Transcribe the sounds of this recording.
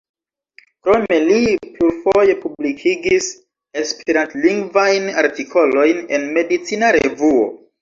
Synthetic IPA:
kɾo̞me̞liplufo̞je̞publikʰiɡis | e̞speɾantliŋɡvajnaɾtikʰo̞lo̞jne̞nme̞dit͡sinaɾevuo̞̰

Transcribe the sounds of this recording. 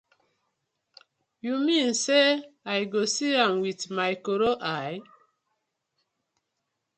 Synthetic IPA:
jumĩnseajɡosiãmwitmajkoɾoʔaj

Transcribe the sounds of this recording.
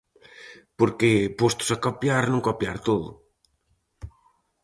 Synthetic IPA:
poɾkepost̪ʊ̥sakopjaɾnõŋkopjaɾt̪oðʊ̰

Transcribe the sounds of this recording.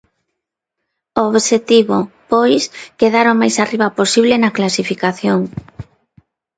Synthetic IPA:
ooβʃet̪iβopojskeðaɾomajsariβaposiβlenɐklasifikaθjoŋ

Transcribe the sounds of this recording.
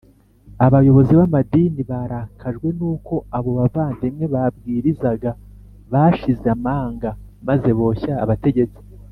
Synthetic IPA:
aβajo̞βo̞ziβamadiniβaɾakʰaʒɡwe̞nuːko̞aβo̞βavaːndemŋe̞βabɡiːɾizaɡa | βaʃizeamaːŋɡamaze̞βo̞ːça̰ːβate̞ɟe̞t͡si̥

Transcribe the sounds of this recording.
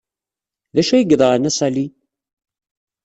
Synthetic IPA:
ðæʃæjəɡðˤəʁənæsæli

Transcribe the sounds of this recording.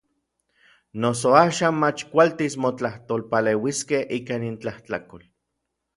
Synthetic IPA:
nos̬oaːʃaːnmat͡ʃkʷalt̪ismot͡ɬaht̪olpaleːwiskehʔikaːnint͡ɬahtakol

